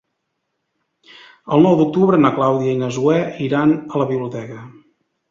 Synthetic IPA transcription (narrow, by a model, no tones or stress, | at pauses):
əlˠnɔwd̪uk̚t̪uβɾənəklawðiəinəzuɛiɾanələβiβliut̪ɛkə